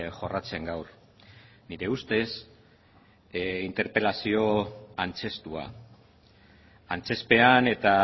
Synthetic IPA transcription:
ʝo̞rat͡se̞ŋɡawɾ | niɾe̞ust̪e̞s | int̪e̞ɾpe̞lasio̞ant͡se̞st̪ua̰ | ant͡se̞spe̞ane̞t̪a

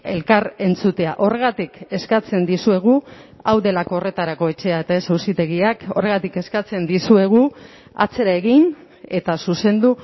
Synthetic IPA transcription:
e̞lkaɾe̞nt͡sut̪e̞aʔo̞re̞ɣ̞at̪ike̞skat͡se̞nd̪isue̞ɣ̞uawðe̞lako̞ːre̞t̪aɾako̞e̞t͡ʃe̞aet̪aesawsit̪e̞ɣ̞iako̞re̞ɣat̪ike̞skat͡se̞nd̪isue̞ɣ̞u | a̰t͡se̞ɾae̞ɣin | e̞t̪asuse̞nd̪u

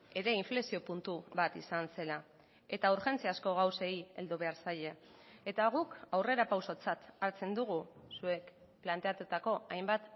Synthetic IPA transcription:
e̞ɾe̞iɱflesio̞punt̪uβat̪isanse̞la | e̞t̪auɾxe̞nt͡siasko̞ɣ̞awseie̞̰ld̪uβ̞e̞aɾsaʎe̞ | et̪aɣ̞ukawre̞ɾapawso̞t͡sat̪aɾt͡se̞nd̪uɣ̞usue̞k | plant̪e̞at̪ut̪ako̞ajmbat̪

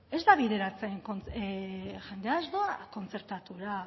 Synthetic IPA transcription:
e̞zd̪aβiðe̞ɾat͡seŋkont͡s | ʝend̪eazðoako̞nt͡se̞ɾt̪at̪uɾa

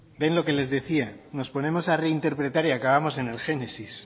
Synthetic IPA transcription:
be̞nlo̞ke̞le̞zðe̞θiano̞spo̞ne̞mo̞sareint̪e̞ɾpɾe̞t̪aɾiakaβ̞amo̞se̞ne̞lxe̞ne̞sis

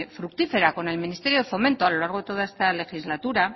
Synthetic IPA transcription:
fɾuk̚t̪ife̞ɾako̞ne̞lminist̪e̞ɾjo̞ðeθo̞me̞nt̪oalo̞laɾɣo̞ðe̞t̪o̞ð̞aest̪ale̞xizlat̪uɾa

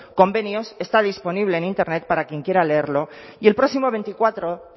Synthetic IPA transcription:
kombenjosest̪aðisponiβ̞leːnint̪eɾnet̪̚paɾakjeŋkjeɾaleeɾloielpɾɔsimoβent̪ikwat̪ɾo

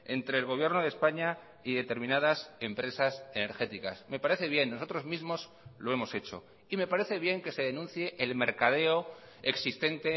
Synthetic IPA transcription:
e̞nt̪ɾe̞ːlɣ̞oβje̞ɾnoð̞espaɲa | iðe̞t̪e̞ɾmĩnað̞ase̞mpɾe̞sase̞ne̞ɾxe̞t̪ika̰sme̞paɾe̞θe̞βje̞nːoso̞t̪ɾo̞zmizmo̞s | lo̞e̞mo̞se̞t͡ʃo̞̰ | ime̞paɾe̞θe̞βje̞ŋke̞se̞ðe̞nũnθjeʔelme̞ɾkað̞e̞o | eksist̪e̞nt̪e̞

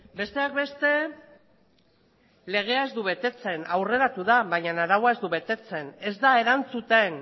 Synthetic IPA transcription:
be̞st̪e̞ak̚be̞st̪e̞ | le̞ɣ̞e̞ae̞zd̪uβe̞t̪e̞t͡se̞nawre̞ɾat̪uðaβajɲanaɾawae̞zd̪uβe̞t̪e̞t͡se̞ne̞zd̪ae̞ɾant͡sut̪e̞n

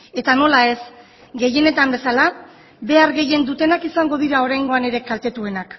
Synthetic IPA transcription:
e̞t̪ano̞lae̞s | ɡe̞je̞ne̞t̪ambe̞sala | be̞aɾɣe̞je̞nd̪ut̪e̞nakisaŋɡo̞ðiɾao̞ɾajŋɡo̞ane̞ɾe̞kalt̪e̞t̪ue̞nak

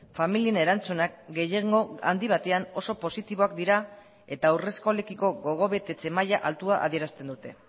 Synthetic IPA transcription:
familiene̞ɾant͡sunak̚ɡe̞jeŋɡo̞a̰nd̪iβ̞at̪e̞ano̞so̞po̞sit̪iβo̞akd̪iɾa | e̞t̪aːwre̞skole̞kiko̞ɣo̞ɣ̞o̞βe̞t̪e̞t͡se̞majaʔalt̪uaʔa̰ðie̞ɾast̪e̞nd̪ut̪e̞

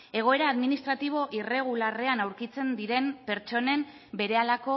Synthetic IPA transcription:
e̞ɣ̞oe̞ɾaːðminist̪ɾat̪iβ̞o̞ʔire̞ɣ̞ulare̞anawɾkit͡se̞nd̪iɾe̞mpe̞ɾt͡ʃo̞ne̞m | be̞ɾe̞alako̞

